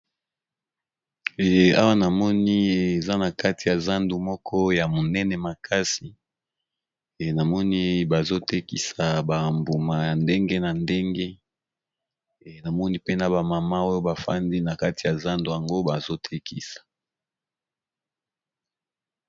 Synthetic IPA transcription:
a̰˦wa˦na˨mɔ˦ni˦e˨za˦na˨ka˦ti˨ja˨za˦ndu˨mɔ˦kʰɔ˦ja˨mo˨nɛ˦nɛ˨ma˨kʰa˦si˨ | na˨mɔ˦ni˦ba˨zo˦te˦ki˨sa˨ba˨mbu˨ma˨ja˨nde˦ŋɡe˦na˨nde˦ŋɡe˦ | na˨mɔ˦ni˦pe˦na˨ba˨ma˨ma˦o˦jo˦ba˨fa̰˦ndi˦na˨ka˦ti˨ja˨za˦ndu˨ja˨ŋɡo˦ba˨zo˦tʰe˦kʰi˨sḁ˨

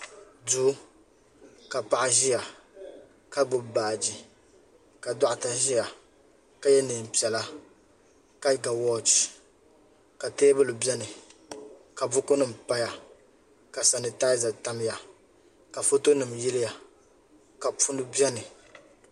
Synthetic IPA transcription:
du˦ | ka˨pa˦˨ʔa˦ʒi˦ja˨ | ka˦bʊ˦˨baː˨d͡ʒi˨ | ka˨da˦ʔa˨ta˨ʒi˦ja˨ | ka˨jɛ˦nɨ˨m̩˨pi˨ɛ˨la˦ | ka˦ɡa˨wɔ˦t͡ʃ | ka˨teː˦bɨ˦lɨ˨bɛ˦nɨ˨ | ka˨bʊ˦ko˦nɨ˨m̩˨pa˦ja˨ | ka˨sa˨nɨ˨taː˦za˨ta˦m˦ja˨ | ka˨fo˦to˦nɨ˨mjɪ˦lɪ˦ja˨ | ka˨pu˦nɨ˦bɛ˦nɨ˨

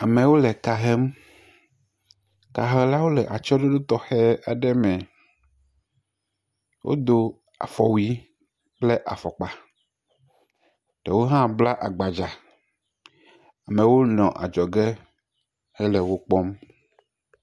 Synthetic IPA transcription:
a˨mẽ˨wo˦lɛ˨ka˨ɦɛ˦m | ka˨ɦɛ˦la˦wo˦lɛ˨ʔa˨t͡ʃɔ˦ɖo˦ɖo˦t̪ɔ˦xɛ˦a˨ɖɛ˦mɛ̃˨ | wʔo̰˦d̪o˦ | a̰˨fɔ˨wi˦ | k͡ple˦ʔa̰˨fɔ˨k͡pa˨ | ɖ̥ɛ˨wo˦ɦã˦bla˦ʔa˨ɡ͡ba˨d͡ʒa˨ | a˨mẽ˨wo˦nɔ̃˨ʔa̰˨d͡ʒɔ˨ɡɛ˦ | hɛ˦lɛ˨wo˦k͡pɔ˦m

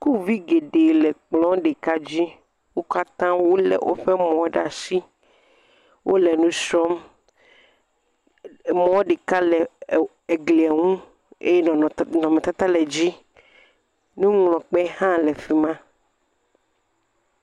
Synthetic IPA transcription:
ku˦vi˦ɡe˨ɖe˨lɛ˨k͡plɔ̃˦ɖe˨ka˦d͡ʑi˦ | wo˦ka˦t̪ã˦wo˦lɛ̰˨wʔo̰˦ɸɛ˦mɔ̃˨˦ɖa˨si˦ | wʔo˦lɛ˨nũ˦sɔ˦m˨ | mɔ̃˦ɖe˨ka˦lɛ˨ | e˨ɡli˨a˨ŋũ˦ | ḛ˦jɛ˦nɔ̃˨nɔ̃˨mẽ˨t̪a˦t̪a˦lɛ˨d͡ʑi˦ | nũ˦ŋlɔ̃˨k͡pɛ˦hã˦lɛ˨fi˨mã˦

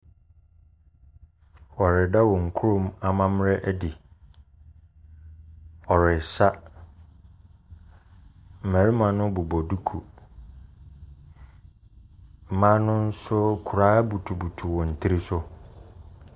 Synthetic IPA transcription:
wɔ˨ɾɪ˨da˦wɔ̃˨ŋ̩˨kʰu˦ɾʊ̃˦ma˨mã˦m˦ɾɛ˦ʔɛ˦di˨ | ɔ˨ɾɪ˨sa˦ | m̩˨mɛ̃˨ɾɪ˦mã˨˦nʊ̃˦bʊ˨bɔ˨du˦kʰu˨ | m̩˨mã˦nʊ̃˦n̩˦sʊ˦kʰu˨ɾaː˦bu˨tʰu˨bu˨tʰu˨wɔ̃˨n̩˨tʰi˦ɾi˦sʊ˦

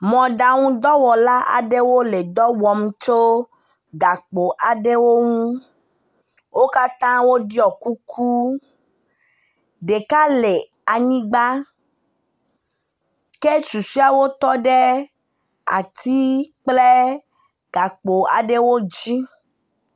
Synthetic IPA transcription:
mɔ̃˨ɖa˨ŋũ˦d̪ɔ˦wɔ˨la˦ʔa̰˨ɖe˦wo˦le˨d̪ɔ˦wɔ˨m˦t͡ʃo˦ | ɡa˨k͡po˨ʔa˨ɖe˦wo˦ŋũ˦ | wo˦ka˦t̪ã˦wo˦ɖi˦ɔ˨ku˦kʰu˦ | ɖe˨ka˦le˨ | a˨ɲĩ˦ɡ͡ba˦ | ke˦su˨si˦a˨wo˦t̪ɔ˦ɖe˦ | a̰˨t̪ʰi˦k͡ple˦ | ɡ̥a˨k͡po˨a̰˨ɖe˦wo˦d͡ʒi˦

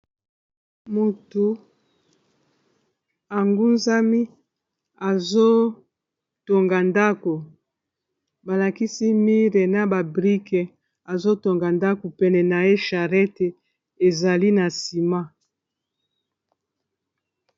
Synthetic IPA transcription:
mo˨tu˨ | a˨ŋɡu˦nza˦mi˦ | a˨zo˦ | to˨ŋɡa˨nda˦ko˨ | ba˨la˨ki˦si˦mi˦ʁe˨na˦ba˨bʁi˦kɛ˨ | a˨zo˦to˨ŋɡa˨nda˦ko˨pɛ˦nɛ˨na˨e˦ʃa˨ʁɛ˦te˨ | e˨za˨li˦na˨si˨ma˦

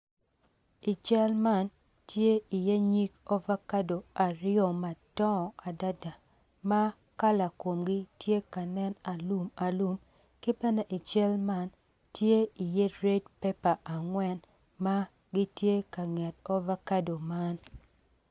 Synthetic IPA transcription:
i˨t͡ʃɛ˦lma˦˨n | tje˦i˨je˦ɲi˦kɔ˦va˦ka˦do˨a˨ɾɪjo˨ma˨tɔ˦˨a˨da˦da˨ | ma˦ | ka˦la˨ko˨mɡi˦tje˦ka˨nɛ˦na˨lu˦ma˨lu˦m | kɪ˦pɛ˦nɛ˨ʔi˨t͡ʃɛ˦lma˦n | tje˦i˨je˦ɾe˦d̚pɛ˦pa˨ʔa˨ŋwɛ˦n | ma˦ | ɡi˦tje˦ka˨ŋɛ˨tɔ˦va˦ka˦do˨ma˦n

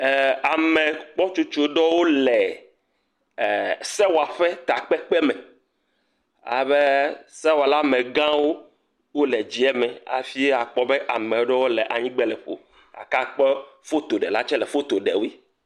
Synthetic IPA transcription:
a˨mɛ̃˨k͡pɔ˦t͡ʃu˦t͡ʃo˦˨ɖɔ˦wo˦lɛ˨ | sɛ˦wa˨ɸɛ˦t̪a˨k͡pɛ˦k͡pɛ˦mɛ˨ | a̰˨βe˦sɛ˦wa˨la˦mɛ̃˨ɡã˦wo˦ | wo˦lɛ˨d͡ʑi˨ɛ˦mɛ̃˨a̰˨fi˦e˦a˨k͡pɔ˦be˦ʔa˨mẽ˨wo˦ɖɔ˦wo˦lɛ˨ʔa˨ɲĩ˦ɡ͡bɛ˦lɛ˨ɸo̰˨ | a̰˨ka˦k͡pɛ˦fo˦t̪o˨ɖɛ˨la˦t͡ʃɛ˦lɛ˨fo˦t̪o˨ɖɛ̰˨wi˦

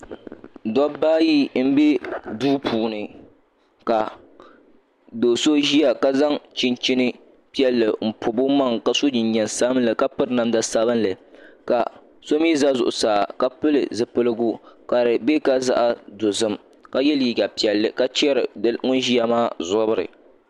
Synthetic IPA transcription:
dɔ˦baː˦ji˦m̩˦be˦duː˦pʰuː˨nɨ˨ | ka˨ | do˨so˦ʒi˦ja˨ka˦za˦ŋt͡ʃɪ˦nt͡ʃi˦nɨ˦ | pi˦ɛ˦lːɨ˨m̩˨pʰʊ˨bʊ˦ma˦˨ŋka˨so˦d͡ʒɪ˨ɲɲɛ˨nsa˦blɨ˨ka˦pɨ˦ɾna˨mda˨sa˦bɨ˦nlɨ˨ka˨ | so˦m˦i˦za˦zʊ̰˨ʔʊ˨saː˨ka˦pɨ˦lɨ̰˨zɨ˨pɨ˦lɨ˦ɡu˦ka˨ɾɨ˨be˦ka˦za̰˦ʔa˦do˨zɨ˦m | ka˦jɛ˦liː˨ɡa˨pi˨ɛ˨lːɨ˨ka˦t͡ʃɛ˦ɾɨ˨˦ŋʊ˦nʒi˦a˦maː˦zʊ˦bɨ˦ɾɨ̰˨

